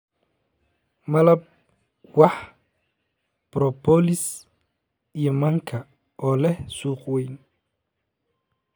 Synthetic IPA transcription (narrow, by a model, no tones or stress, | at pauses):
mɐlɐb̚ | wɑħ | b̥ɾɔpʰɔlɪs | ijɔmɐŋkʰɐ | ʔɔːlɛhsuːqwɛjn